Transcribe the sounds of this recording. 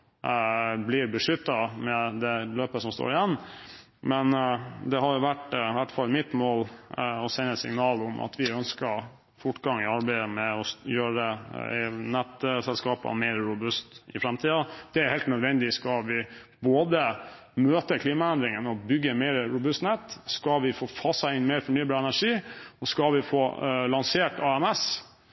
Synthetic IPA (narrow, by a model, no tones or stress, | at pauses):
blɪɾbəʂʏt̪ːɑmɛd̪ɛløːpəsɔmst̪o̰ːɾɪjɛnː | mɛnd̪ɛɦɑɾjʊʋæʈʋæʈːfɑlmɪt̪moːlɔsɛɪnəsɪ̰ŋnɑːlʊmʔɑ̰t̪ʰʋɪœnskəɾ | fʊʈːɡɑŋɪɑɾbæɪəmɛɔjøːɾəd̪ɛ | nɛt̪sɛlskɑːpɑ̰meːɾɾʊbʉst̪ɪfɾɛmt̪ʰiːɑd̪̥ɛæɾhɛɪlt̪nœd̪ʋɛnd̪ɪskɑʋɪboːd̪ə | møːt̪əkʰliːmɑɛnd̪ɾɪŋənɔbʏɡːəmeːɾɾʊbʉst̪nɛt̪ːskɑlʋɪfoːfʰɑsɑɪnmeːɾfɔɳyːbɑːɾɛnæʂiːɔskɑʋɪfo̰ːlɑnseːʈɑɛmɛs